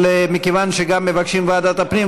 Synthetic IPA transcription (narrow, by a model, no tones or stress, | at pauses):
lemikevanʃeɡamːe̞vakʃimvaːd̪at̪apni